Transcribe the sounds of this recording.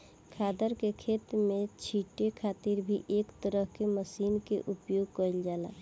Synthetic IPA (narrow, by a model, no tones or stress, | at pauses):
kʰaːd̪əɾkekʰeːt̪mẽt͡ʃʰiʈekʰaːt̪iɾbʱiʔeːkt̪əɾəɦkeməsiːnkḛʔʊpjoːɡ̚kəild͡ʒaːla̰ː